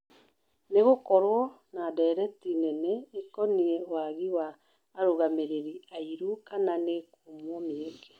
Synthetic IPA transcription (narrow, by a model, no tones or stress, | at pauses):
neɣokɔɾwɔ | nadɛɾɛtinɛnɛekɔniɛwaɣiwaː | ɾoɣameɾeɾiaiɾukananekomomeeŋɡe